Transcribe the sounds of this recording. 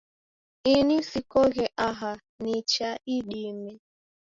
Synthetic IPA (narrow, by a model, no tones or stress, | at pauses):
inisikɔɣɛʔaɦa | nit͡ʃaiɗimɛ